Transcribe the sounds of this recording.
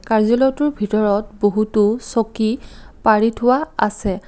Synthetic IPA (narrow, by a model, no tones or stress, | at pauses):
kaɹzɔlɔtʊɹbʱitɔɹɔt̚boɦutʊsokipaɹitʰʊwaa̰sɛ